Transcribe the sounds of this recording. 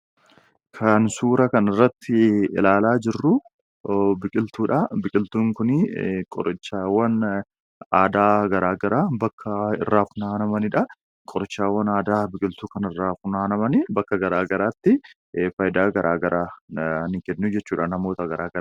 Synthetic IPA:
kʰɐnsuːɾɐkɐnɪrːɐt̪ʰːɪɪ̰laːlaːd͡ʒɪrːʊ | bɪkʼɪlt̪uːᶑɐbɪkʼɪlt̪uːŋkʊnɪkʼɔ̰ɾʔɪt͡ʃːaːwːɐn | aːd̪aːɡɐɾaːɡɐɾaːbɐkʰːɐɪ̰rːaːfʊnaːnɐmɐnɪᶑɐ | kʼɔɾɪt͡ʃːaːwːɐnaːd̪aːbɪkʼɪlt̪uːkɐnɪrːaːfʊnaːnɐmɐnɪbɐkːɐɡɐɾaːɡɐɾaːt̪ːɪ | fɐjd̪aːɡɐɾʔaːɡɐɾaːnɪkɛnːud͡ʒɛt͡ʃːuːᶑaːnɐmo̞ːt̪ɐɡɐɾaːɡɐɾ

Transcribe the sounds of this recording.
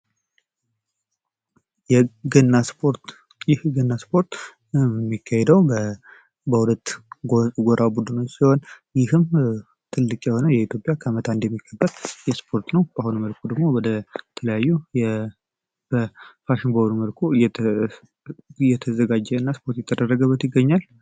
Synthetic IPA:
jɛɡnːaspʰoɾt̪ | jɪhɡənːaspo̞ɾt̪ | mːikʰːahɛd̪əwbə | bəhulət̪ː | ɡoɾʔabud̪ɨno̞t͡ʃːsiho̞n | jɪhɨm | t̪ʰɨlːɨkʼjɛho̞nəjɛit̪ʰjo̞pʼjakʰəmət̪ʰand̪jɛmːikʰːəbːəd̪jɛspʰo̞ɾt̪nəwbahunməlkʰud̪əɡmo̞wɔd̪ət̪ʰələjajːujɛ | b̥əfaʃɪnbəd̪uməlkʰujɛ | jɛt̪ʰəzəɡad͡ʒːɛɨnːaspʰo̞ɾt̪jɛt̪ːəd̪ərːəɡəbːət̪jɪɡːəɲːal

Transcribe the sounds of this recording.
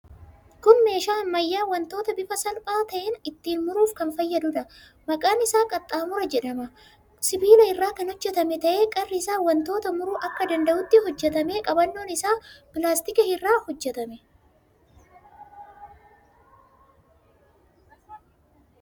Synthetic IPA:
kʊnme̞ːʃaːnmɐjːaːwɐnt̪o̞ːt̪ɐbɪfɐsɐlpʼaːt̪ɐʔɛnɪt̪ːiːnmʊɾuːfkɐnfɐjːɐd̪ʊᶑɐ | mɐkʼaːnɪsaːkʼɐt̪ʼːaːmʊɾɐd͡ʒɛᶑɐmɐ | sɪbiːlɐɪrːaːkɐnɔd͡ʒːɛt̪ɐmɛt̪ɐʔe̞ːkʼɐrːɪɪsaːwɐnt̪o̞ːt̪ɐmʊɾuːʔɐkːɐd̪ɐnd̪ɐʔʊt̪ːɪɦɔd͡ʒːɛt̪ɐme̞ːkʼɐbɐnːo̞ːnɪsaːpɪlaːst̪ɪkɐhɪrːaːhɔd͡ʒːɛt̪ɐmɛ

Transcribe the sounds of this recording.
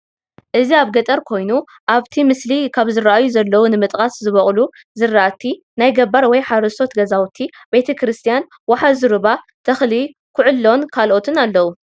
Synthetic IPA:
ʔɨziaβɡɐt̪ʼɐɾkʰo̞jnu | ʔaβt̪ʰimɨslikʰaβzɨɾaʔajuzɐlːɐwunɨmɨt̪ʼkʼaszɨβɐχʼlu | zɨraʔat̪ʰːi | najɡɐbaɾwɔjħaɾɐso̞t̪ɡɐzawt̪ʰi | be̞t̪ʰɐkʰɾɨst̪ʰijan | waħazɨɾɨβa | t̪ʰɐxli | kʰʊʕʊlːo̞nkʰalʔo̞t̪ʰɨnalːɐwu

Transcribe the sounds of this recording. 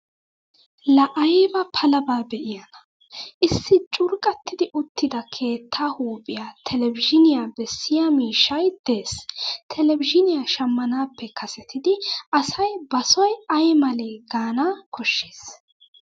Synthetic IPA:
lɐʔɐjbɐpʰɐlɐbaːbɛʔɪjɐnɐ | ʔɪsːɪt͡ʃʼʊɾkʼɐt̪ːɪd̪ɪʔʊt̪ʰːɪd̪ɐkʰe̞ːt̪ʰːaːhuːpʼɪjaːt̪ʰɛlɛvɪd͡ʒɪnɪjaːbɛsːɪjamiːʃːɐjd̪̥e̞ːst̪ʰɛlɛvɪd͡ʒɪnɪjaʃɐmːɐnaːpːɛkʰɐsɛt̪ʰɪd̪ɪɐsɐjbɐsɔjɐjmɐleːɡaːnaːkʰɔʃːe̥ːs

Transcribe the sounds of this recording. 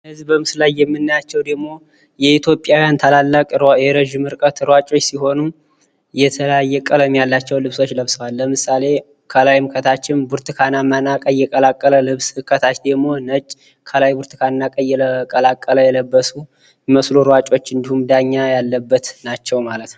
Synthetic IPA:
hɨzbəmɨslajːɛmːɨnːajat͡ʃːɛwd̪əɡmo̞ | jɛit̪ʰjo̞pʼjawjant̪ʰalalːakʼeɾəʒɨmɨɾkʼət̪ɾwat͡ʃʼo̞t͡ʃːsiho̞nu | jɛt̪ʰələjajːɛkʼələmjalːat͡ʃːɛwlɨβso̞t͡ʃːləβsəwalːəmɨsale̞ | kʰəlajmkʰət̪ʰat͡ʃːɪnbuɾt̪ʰɨkʰanamːənakʼəjːɛkʼəlakʼːələlɨβskʰət̪ʰat͡ʃd̪əɡmo̞nət͡ʃʼ | kʰəlajbuɾt̪ʰɨkʰanːakʼəjːɛləkʼəlakʼːələjɛləbːəsu | məsluɾwat͡ʃʼo̞t͡ʃːɨnd̪ihumd̪aɲːajalːəbːət̪nat͡ʃːɛwmalət̪n

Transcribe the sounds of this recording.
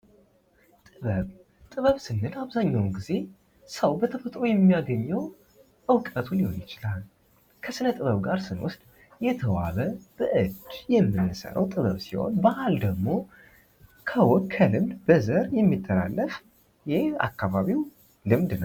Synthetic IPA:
t̪ʼɨβəβ | t̪ʼɨβəβsɨnːɨlaβzaɲːawnɡize̞ | səwbət̪ʰəfət̪ʼɾojɛmːijaɡəɲːəw | ʔɨwkʼət̪ʰulihonjɪt͡ʃɪlal | kʰəsɨnət̪ʼɨβəβɡaɾsɨnwʊ̰st̪ʼ | jɛt̪ʰəwa̰βəb̥əʔɨd̪jɛmːɨnːɨsə̰ɾə̰wt̪ʼɨβəβsiho̞̰nbaʔald̪əɡmo̞ | kʰəwɔkʰəlɨmd̪bəzəɾjɛmːit̪ʰːəla̰lːəf | jɪhea̰kːaβaβiw | lɨmd̪nəw

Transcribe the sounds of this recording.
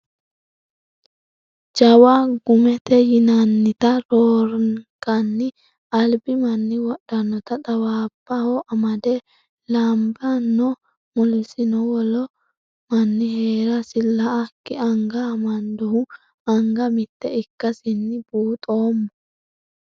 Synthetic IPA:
d͡ʒɐwaɡʊmɛt̪ɛjɪnɐnːɪt̪ɐɾoːɾkɐnːɪ | ɐlbɪmɐnːɪwɔɗɐnːɔt̪ɐt̪ʼɐwaːb̥ːɐhɔʔɐmɐd̪ɛ | lambɐnːɔ | mɔlɪsɪnɔwɔlɔ | mɐnːɪhe̞ːɾɐsɪlɐʔɐkːɪɐŋɡamɐnd̪ɔhʊ | ɐŋɡɐmɪt̪ːɛɪkːɐsɪnːɪbuːt̪ʼoːmːɔ

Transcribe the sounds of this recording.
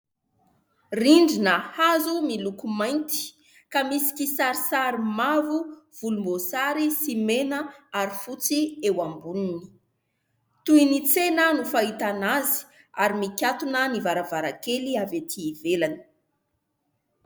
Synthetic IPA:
riɳɖ͡ʐinəhazumilukumajnt̪i̥ | kamisi̥kisaɾisaɾimavuv̥ulumbosaɾisimenəaɾifut͡siewambunini̥ | t̪uinit͡senənufait̪anazi̥ | aɾimikʲjat̪unənivaɾavaɾakeliavet̪ʰiːvelani̥

